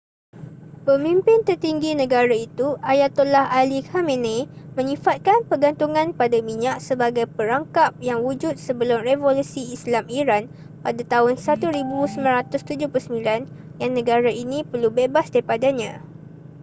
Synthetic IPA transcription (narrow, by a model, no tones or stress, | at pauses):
pəmĩmpɪnt̪ərt̪iŋɡinə̃ɡaɾait̪uajat̪ːolahalikamẽnemə̃ɲĩfat̪̚kanpərɡant̪uŋãnpadamiɲak̚səbaɡajpəɾaŋkap̚jaŋwud͡ʒʊt̪̚səbəlʊmrevolusiːslamiɾan | padat̪aɦʊnsat̪uɾibusəmãnɾat̪ʊst̪ud͡ʒʊhplʊusəmbilanjaŋnːə̃ɡaɾainĩpərlubebasdaipadaɲã